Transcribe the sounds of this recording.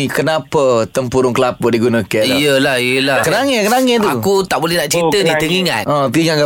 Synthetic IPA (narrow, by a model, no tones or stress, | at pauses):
ikənapət̪əmpuɾʊŋkəlapɔdiɡunakanijəlahijəlakənaŋɛkənaŋɛt̪uakut̪aʔbolɛhnaʔt͡ʃit̪ənit̪əŋiŋã̰t̪ʔə̃piŋaɡa